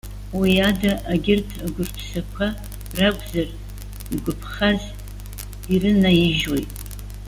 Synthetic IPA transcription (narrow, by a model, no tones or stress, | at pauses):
wiadaʔaɡʲɪrtʰaɡʷʊrpʰsakʷʰa | rakʷʼzar | iɡʷʊpʰχaz | irɨnajiʒwo̞jtʼ